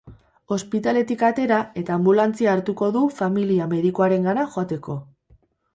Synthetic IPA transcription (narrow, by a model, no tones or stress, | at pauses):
o̞spit̪ale̞t̪ikat̪e̞ɾae̞t̪aːmbulant͡siaːɾt̪uko̞ðufamiliame̞ðikoaɾe̞ŋɡanaʝoat̪e̞ko̞